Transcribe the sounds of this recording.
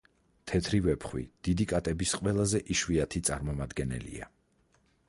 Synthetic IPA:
t̪ʰɛt̪ʰɾivɛpʰχwḭd̪̥id̪ikʼat̪ʼɛbisqʼwɛlˠazɛʔiʃwiat̪ʰit̪sʼaɾmɔmad̪ɡɛnɛ̰lḭa̰

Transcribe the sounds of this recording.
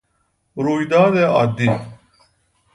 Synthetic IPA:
ɾuːid̪aːd̪eːa̰ːd̪i

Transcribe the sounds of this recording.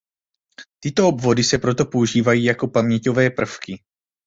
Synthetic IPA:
t̪ɪt̪o̞obvo̞dɪsɛpɾo̞t̪o̞po̞uʒiːvajiːjako̞pamɲɛco̞vɛːpr̩fkɪ

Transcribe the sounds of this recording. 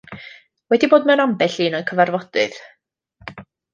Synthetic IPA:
wɛdiboːdmɛwnambɛɬiːnɔkʰəvarvɔd̥ɨð̥

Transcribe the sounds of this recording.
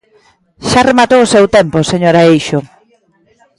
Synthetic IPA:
ʃaremat̪owʊsewt̪emposeɲoɾaejʃʊ

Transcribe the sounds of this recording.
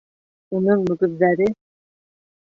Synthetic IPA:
unɤɴmɵ̆ɡɵ̆ðːæɾɘ

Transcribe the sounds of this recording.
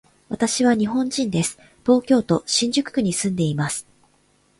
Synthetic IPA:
βat̪aɕiβ̞aɲ̟iɦõ̞ɲd͡ʑĩnd̪e̞sɨ̥ | t̪o̞ːkʲo̞ːt̪o̞ɕĩɲ̟d͡ʑɨkɯ̟̥kɯ̟ɲ̟isɨ̃nd̪e̞imasɨ̥

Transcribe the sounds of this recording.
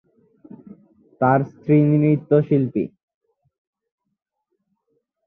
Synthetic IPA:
t̪aɾst̪ʰɾiniɾit̪ːoʃilpḭ

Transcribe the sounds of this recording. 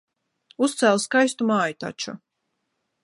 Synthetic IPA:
ust̪sælˠskajst̪umaːjut̪a̰t͡ʃṵ

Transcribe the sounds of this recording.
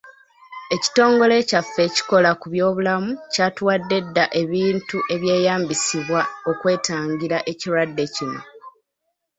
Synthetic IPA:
e̞ci̥to̞ːŋɡo̞le̞cafːeci̥ko̞lakuβjo̞ːβulamucaːtwaːdːe̞dːaʔe̞βiːntuʔe̞βje̞ːjaːmbisiβwao̞kwe̞ːtaːɲɟiɾaʔe̞ciɾwadːe̞cino̰

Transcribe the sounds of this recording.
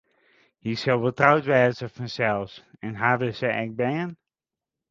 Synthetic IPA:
hisɔlˠʋəlˠtrawtʋɛːzəfɔnsɛlˠsɛnɦaːʋəsɛʔɛk̚bɛjən

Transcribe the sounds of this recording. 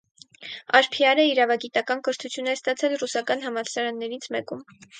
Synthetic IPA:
ɑɾpʰiɑɾəiɾɑvɑɡit̪ɑkɑnkəɾt̪ʰut͡sʰjunɛst̪ɑt͡sʰɛlrusɑkɑn̪ɦɑmɑsɑɾɑnːɛɾit͡sʰmɛkum

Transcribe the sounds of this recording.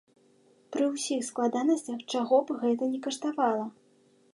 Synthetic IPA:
pɾɨwsʲixsklˠad̪anɐsʲt͡sʲɐxt͡ʂaɣɔbɣɛt̪ɐnʲɛkɐʂt̪avalˠɐ

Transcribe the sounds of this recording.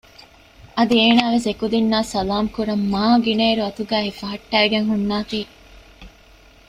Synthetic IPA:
ɐd̪ieːnaːʋes̬ekud̪inːaːsɐlaːmkuɾɐmːaːɡineːɾuɐt̪uɡæːɦifɐɦɐʈːæːɡeŋɦunːaːfiː

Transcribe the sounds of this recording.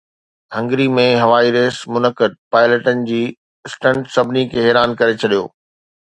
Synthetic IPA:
ɦɐ̃ŋɡɾimẽɦɐʋaːiɾeːsmʊnəkəd̪̚paːɪləʈənɪ̆d͡ʑiː | ɪsʈə̃ɳʈsɐbʱɪnikʰeːɦɛːɾaːnkɐɾet͡ɕʰɐɗijo̰ː

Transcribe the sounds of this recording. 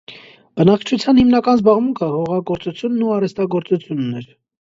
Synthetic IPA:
b̥ənɑkʰt͡ʃʰut͡sʰjɑnhimnɑkɑnzbɑʁmuŋkʰəhɔʁɑɡɔɾt͡sut͡sʰjunːuɑrɛst̪ɑɡɔɾt͡sut͡sʰjunːɛɾ

